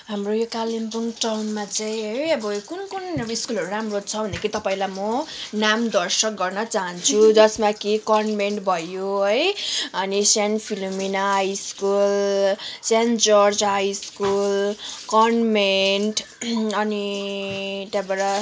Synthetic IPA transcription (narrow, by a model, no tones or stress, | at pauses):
ɦamrojokalinpuŋʈawnmat͡saĩɦʌjʌbʌkunkunʌiskulɦʌɾuɾamrot͡sʰʌbʱʌnd̪akʰiit̪ʌpaĩlamʌnamd̪ʌrsʌk̚ɡʌrnʌt͡saɦʌnt͡sʰud͡zʌsmakikʌnmenʈbʱʌjoɦʌjʌnisanpʰilominaɦɦajskulsend͡zʌrsɦajskulkʌnmenʈʌni | t̪abeɾʌ